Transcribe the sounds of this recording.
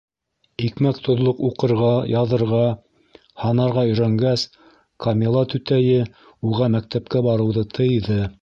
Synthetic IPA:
ikmækt̪ʰŏðlˠoquqɤ̆ɾʁɑjɑðɤ̆ɾʁɑ | hɑnɑɾʁɑɵ̆jɾæŋɡæs | kʰɐmʲilˠɑt̪ʉt̪æjɘ | uʁɑmæk̚t̪æp̚kæbɑɾɤ̆wðɤt̪ʰɤ̆jðɤ

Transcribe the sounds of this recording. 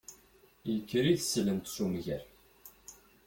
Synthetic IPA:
jəkːəɾiðsələmt̪ʃumʝæɾ

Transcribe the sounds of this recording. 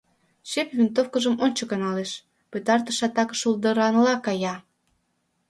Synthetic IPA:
ʃepvʲint̪ofkəʒəmonʲt͡ɕəkɑnɑleʃ | pøt̪ɑrt̪əʃɑt̪ɑkə̥ʃuld̪əɾɑnlɑkɑjɑ

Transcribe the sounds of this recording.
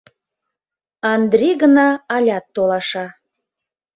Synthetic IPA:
ɑnd̪ɾiɣənɑɑlʲɑt̪ːolɑʃɑ

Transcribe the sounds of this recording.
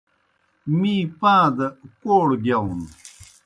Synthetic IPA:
mĩːpãːd̪koːɽɡjawun

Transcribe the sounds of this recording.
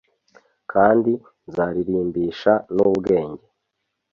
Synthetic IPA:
kʰaːndi | zaːɾiɾiːmbiʃanubɡe̞ːɲɟe̞

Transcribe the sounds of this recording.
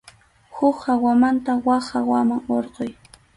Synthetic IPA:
hʊkawamant̪awaχawamaŋoɾqoj

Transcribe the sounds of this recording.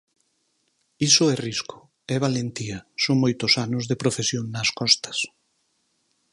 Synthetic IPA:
isʊɛriskʊ̥ | ɛβ̞alent̪iɐsoŋmojt̪ʊsanʊzðepɾofesjoŋnɐskɔst̪ɐ̥s

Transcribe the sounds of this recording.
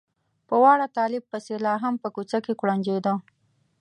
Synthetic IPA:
pəwɑɽat̪ɑlɪb̚pəselɑɦampəkut͡sakekɽand͡ʒed̪o

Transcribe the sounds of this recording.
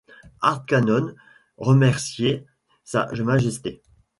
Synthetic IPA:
aʁt̪kanɔn | ʁəmɛʁsje | sa̰ʒəmaʒɛst̪e

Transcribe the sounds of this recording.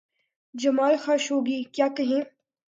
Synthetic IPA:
d͡ʒɐmaːlxaːʃɦoːɡiːkjaːkɐɦẽː

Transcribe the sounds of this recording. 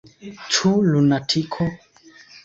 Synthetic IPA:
t͡ʃʰulunatʰikʰɔ

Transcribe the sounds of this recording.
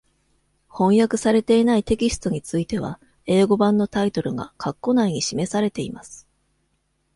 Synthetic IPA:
hõ̞ɰ̃jakɯ̟saɾe̞t̪e̞inait̪e̞kʲisɨ̥t̪o̞ɲ̟it͡sɨit̪e̞β̞a̰ | e̞ːɡo̞bãnːo̞t̪ait̪o̞ɾɯ̟ɡa̰kʰakːo̞naiɲ̟iɕime̞saɾe̞t̪e̞imasɨ̥

